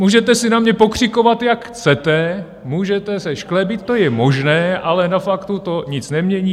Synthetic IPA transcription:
muːʒɛt̪ɛsɪnamɲɛpo̞kr̝̥ɪko̞vat̪jakxt͡sɛt̪ɛ | muːʒɛt̪ɛsɛʃklɛbɪt̪ːojɛmo̞ʒnɛːʔalɛnafakt̪ut̪o̞ɲɪt͡snɛmɲɛɲiː

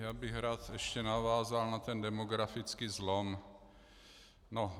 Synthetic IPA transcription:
jaːbɪxɾaːt̪ɛʃcɛnavaːzalnat̪ɛndɛmoɡɾafɪt͡skiːzlom | no

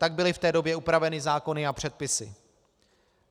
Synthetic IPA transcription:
t̪aɡ̚bɪlɪft̪ɛːdo̞bjɛupɾavɛnɪzaːko̞nɪapr̝̥ɛt̪̚pɪsɪ̰

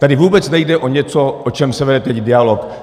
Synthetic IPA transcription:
t̪adɪvuːbɛt͡snɛjdɛʔo̞ɲɛt͡soʔot͡ʃɛmsɛvɛdɛt̪ɛcdɪalo̞k

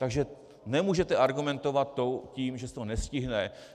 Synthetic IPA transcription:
t̪aɡʒɛ | nɛmuːʒɛt̪ɛʔaɾɡumɛnt̪ovat̪ːo̞ciːmʒɛst̪onɛscɪɦnɛ

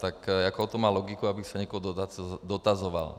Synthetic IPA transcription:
t̪akjakɔɔt̪ɔmaːlɔɡikuabisaɲɪɛkɔɦɔd̪ɔt̪ad̪ɔt̪azɔʋa̰l

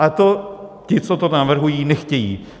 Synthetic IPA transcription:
ʔat̪ocɪt͡sot̪onavr̩ɦujiːnɛxcɛjiː

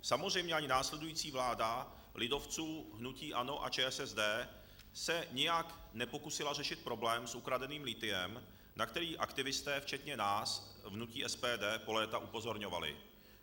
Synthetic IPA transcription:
samozrɛjmɲɛaɲɪnaːslɛdujiːt͡siːvlaːda | lɪdo̞ft͡suːɦnuciːʔano̞ʔa̰t͡ʃɛːɛsɛzdɛː | sɛɲɪjaknɛpokusɪlar̝ɛʃɪt̪̚pɾo̞blɛːmsʔukɾadɛniːmlɪt̪ɪjɛm | nʔakt̪ɛɾiːʔakt̪ɪvɪst̪ɛːft͡ʃɛt̪ɲɛnaːsvnuciːʔɛspɛːdɛːpo̞lɛːt̪aʔupo̞zo̞ɾɲova̰lɪ̰

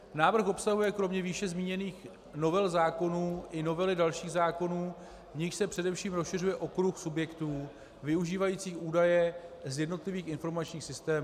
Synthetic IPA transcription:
naːvr̩xʔo̞psaɦujɛkɾo̞mɲɛviːʃɛzmiːɲɛniːx | no̞vɛlzaːko̞nuːʔɪno̞vɛlɪdalʃiːɣzaːko̞nuː | vɲɪxʃsɛpr̥ɛdɛfʃiːmɾosʃɪr̝ujɛʔo̞kɾuxsubjɛkt̪uː | vɪuʒiːvajiːt͡siːxʔuːdajɛzjɛdno̞t̪lɪviːxɪnfo̞ɾmat͡ʃɲiːxsɪst̪ɛːm

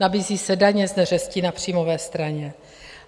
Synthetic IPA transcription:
abiːziːsɛdaɲɛznɛrɛsciːnapr̝̥iːmo̞vɛːst̪ɾaɲɛ

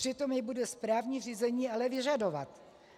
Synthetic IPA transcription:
r̥ɪt̪o̞mjɪbudɛspɾaːvɲiːr̝iːzɛɲiːalɛvɪʒado̞va̰t̪

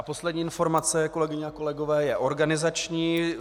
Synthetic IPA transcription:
apo̞slɛdɲiːʔɪnfo̞ɾmat͡sɛko̞lɛɡɪɲɛako̞lɛɡovɛːjɛʔo̞ɾɡanɪzat͡ʃɲiː

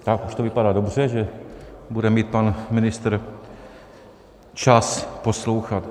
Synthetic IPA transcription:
t̪akuʃt̪ovɪpadaːdobr̝ɛʒɛbudɛmiːt̪̚panmɪnɪst̪ɾ | t͡ʃasposlowxat̪

